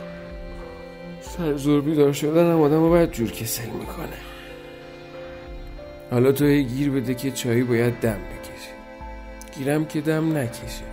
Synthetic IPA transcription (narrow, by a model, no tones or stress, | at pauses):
sæɾzoɾbiːd̪ɒːɾʃod̪ænæmɒːd̪æmobɒjæd̪̚d͡ʒuɾcʰesenmikʰo̰ne | hɒːlɒːt̪ʰohejɡiːɾbe̞d̪ecʰe̞t͡ʃʰɒːjiːbɒːjæd̪̚ːæmbe̞cʰeʃi̥ | ɟ̥iːɾæmcʰe̞d̪æmnæcʰeʃi̥